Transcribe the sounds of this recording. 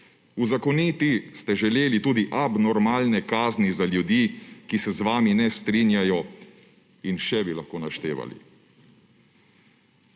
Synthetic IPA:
uzakɔnit̪ist̪ɛʒɛleːlit̪uːd̪iʔabnɔɾmaːlnɛkaːznizaljud̪iːkisɛzʋaːminɛst̪ɾinjajɔ | inʃɛbilaxkoːnaʃt̪ḛːʋa̰lḭ

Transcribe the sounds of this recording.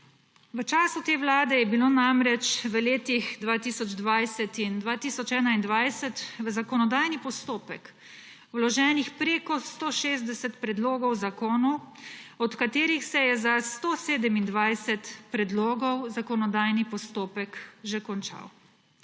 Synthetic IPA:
ʋət͡ʃaːsut̪eːwlaːd̪ɛjɛbiloːnamɾɛt͡ʃʋəleːt̪ixd̪ʋaːt̪iːsɔd͡ʒd̪ʋajsɛt̪ind̪ʋaːt̪iːsɔt͡ʃɛːnaind̪ʋajsɛt̪ʋəzakɔnɔd̪aːjnipɔst̪oːpɛk | wlɔʒɛːnixpɾeːkɔst̪oːʃeːzd̪ɛsɛt̪pɾɛd̪loːɡɔwzakoːnɔɔt̪kat̪eːɾixsɛjɛzast̪oseːd̪ɛmind̪ʋajsɛt̪pɾɛd̪loːɡɔwzakɔnɔd̪aːjnipɔst̪oːpɛkʒɛkɔnt͡ʃa̰w

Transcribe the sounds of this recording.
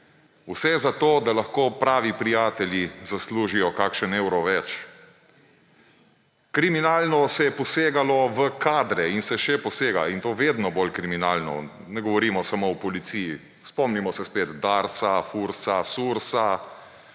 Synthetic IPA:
usɛzat̪oːd̪alaxkoːpɾaːʋipɾijaːt̪ɛljizasluːʒijɔkaːkʃənewɾɔʋɛt͡ʃ | kɾiminaːlnɔsɛjɛpɔseːɡalɔʋəkʰaːd̪ɾɛinsɛʃɛpɔseːɡaint̪oːʋeːd̪nɔbolkɾiminaːlnɔ̰ | nɛɡɔʋɔɾiːmɔsamoɔpɔlit̪siji | spɔmnimɔsɛspeːt̪d̪aɾsafuɾsasuɾsa

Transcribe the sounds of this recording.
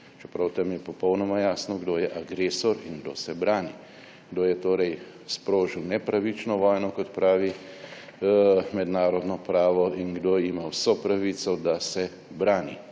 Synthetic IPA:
t͡ʃɛpɾawt̪amjɛpɔpɔwnɔmajaːsnɔɡd̪oːjɛʔaɡɾeːsɔɾiŋɡd̪o̰ːsɛbɾaːni | ɡd̪oːjɛt̪oːɾɛj | spɾoːʒiwnɛpɾaʋit͡ʃnɔʋɔːjnɔkɔt̪pɾaːʋi | mɛd̪naːɾɔd̪nɔpɾaːʋɔiŋɡd̪oimawsɔpɾaʋit̪sɔd̪asɛ | bɾaːnḭ

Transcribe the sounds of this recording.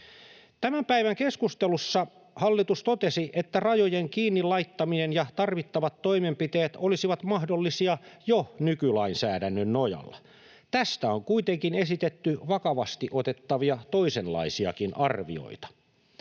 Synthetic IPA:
t̪æmæmpæiʋæŋkeskust̪elusːɑ | hɑlːit̪ust̪ot̪esiʔet̪ːærɑjojeŋkiːnːilɑit̪ːɑminenjɑt̪ɑrʋit̪ːɑʋɑt̪ːo̞imempit̪eːt̪olisiʋɑt̪mɑɦdolːisiɑjonykylɑinsæːdænːønnojɑ̰lːɑ | t̪æst̪æoŋkuit̪eŋkine̞sit̪et̪ːyʋɑkɑʋɑst̪iʔot̪e̞t̪ːɑʋiɑt̪o̞isenlɑ̰isiɑ̰kinʔɑrʋḭo̰it̪ɑ̥

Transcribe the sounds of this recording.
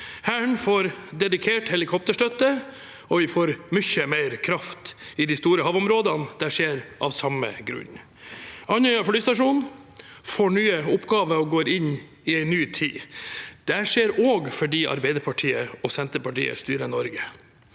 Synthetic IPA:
hæːɳfoːɾd̪ɛd̪ɪkʰeːʈhɛlɪkʰɔp̚t̪əʂʈœt̪ə | ɔʋɪfoːɾmʏçəmeɪɾkʰɾɑft̪ɪd̪ɪst̪uːɾəhɑʋʊmɾoːd̪ɑnd̪̥æʂeːɾʔɑ̰ʋsɑmə̰ɡɾʉ̰ɲ | ɑnœɑflyːst̪ɑʂuːnfoɳyːəʊpːɡɑːʋəɔɡoːɾɪɲ | ɪæɪnyːt̪ʰḭːd̪̥ɛæʂeːɾoːɡfɔɖiːʔɑ̰ɾbæɪd̪əɾpʰɑʈʰiːəɔsɛnt̪əpɑʈḭːə̰st̪yːɾənɔɾɡə

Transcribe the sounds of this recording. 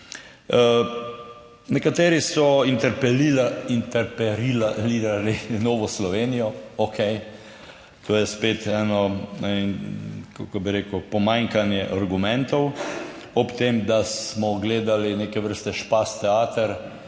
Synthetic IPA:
nɛkat̪eːɾisɔint̪ɛɾpɛliint̪ɛɾpɛɾialiɾalinɔːʋɔslɔʋeːnijɔɔkʰɛj | t̪ʰoːjɛspeːt̪ɛːnɔ | kakɔbiɾeːkəpɔmaŋkanjɛʔaɾɡumɛ̃nt̪ɔwɔpt̪emd̪asmɔɡleːd̪alineːkɛʋəɾst̪ɛʃpast̪ɛaːt̪əɾ

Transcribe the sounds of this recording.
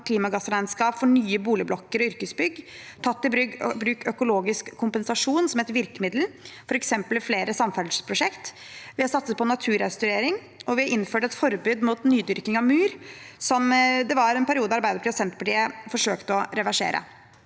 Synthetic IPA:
kʰliːmɑɡɑsəɾæɪnskɑːpfɔɳyːəbuːlɪblɔkːəɾɔʏɾkəsbʏɡt̪ʰɑt̪ːɪbɾʏɡbɾʉːkœkʊloːɡɪskʰːʊmpɛnsɑʂuːnsɔmheːt̪əɾʋɪɾkəmɪd̪l̩fɔɾɛksɛmpəlfleːɾəsɑmfæɖ̪ʂpʰɾʊʂɛkt̪ | ʋɪhɑɾsɑt̪səspɔnɑt̪ʰʉːɾɛst̪ʉɾeːɾɪŋ | ɔʋɪɑʔɪnːføːʈəɛt̪fɔɾbyːd̪muːt̪nyːd̪ʏɾkɪŋɑʋmʉːɾsɔmd̪ɛʋɑɾɛnpʰæɾɪuːd̪əɑɑɾbæɪd̪əpʰɾsɛnt̪̚pʰɑʈiːəfɔʂøːkt̪əɔɾɛʋæʂḛːɾʔə̰

